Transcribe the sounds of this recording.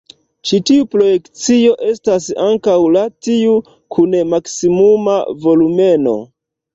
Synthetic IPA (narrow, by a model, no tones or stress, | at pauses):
t͡ʃitiupɾo̞je̞kt͡sio̞ʔe̞stasaŋkawlatiu | kʰunemaksimuma̰vo̞lume̞no̞̰